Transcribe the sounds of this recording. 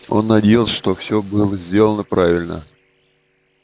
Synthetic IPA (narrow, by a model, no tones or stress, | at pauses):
o̞̰nːɐdʲejɪlˠsʲəʂt̪ofsʲɵbɨlˠəzʲdʲelˠənəpɾʔavʲɪlʲnə̰